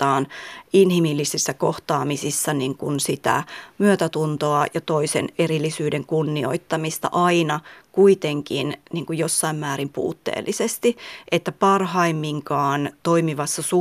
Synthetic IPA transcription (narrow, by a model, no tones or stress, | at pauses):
t̪ːɑːninhimilːisisːækoht̪ɑːmisisːɑniŋkunsit̪æ̰myøt̪æt̪unt̪oɑjɑt̪oisḛnerilːˑisyːdeŋkunːio̰it̪ːɑmist̪ɑ̰ʔɑinɑkuit̪eŋkinniːŋkujosːɑimmæːɾimpṵːt̪ːḛːlːisest̪iʔet̪ːæpɑrhɑimːiŋkɑːnt̪oimiʋɑsːɑsu